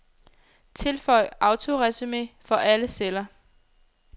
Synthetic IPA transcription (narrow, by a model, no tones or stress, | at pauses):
t͡sʰe̝lfɒɪ̰ʔɑ̈ʊt͡sʰo̝ʁɛsimḛfɒ̽ʔæləselɐ